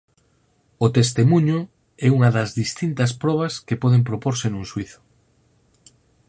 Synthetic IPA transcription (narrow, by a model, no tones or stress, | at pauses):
ʊt̪est̪emuɲʊ | ɛuŋɐðɐzðist̪int̪ɐspɾɔβ̞ɐskepɔð̞empɾopoɾsenũŋswiθʊ̥